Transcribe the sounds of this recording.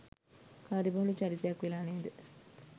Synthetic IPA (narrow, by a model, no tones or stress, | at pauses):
kaːɾibɐɦlut͡ʃaɾit̪ɐjakʋelaːneːd̪ə